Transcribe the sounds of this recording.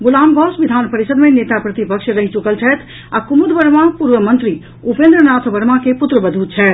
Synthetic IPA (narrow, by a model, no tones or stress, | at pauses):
ɡulambʱɔsʋid̪ʱanpəɾisəd̪menet̪apɾət̪ipəkʃɾəɦit͡ʃukəlt͡ʃʰɛt̪ʰ | akumud̪bəɾmapuɾʋəmənt̪ɾi | upẽnd̪ɾənat̪ʰbəɾmakeput̪ɾəbəd̪ʱut͡ʃʰɛːt̪